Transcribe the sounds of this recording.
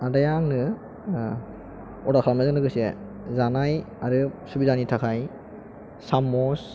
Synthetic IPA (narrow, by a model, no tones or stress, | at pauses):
adajaŋnɯ | ɔdakʰalmazɯŋnɯɡɯse | zanaj | aɾɯsubizanitʰakʰaj | samɔs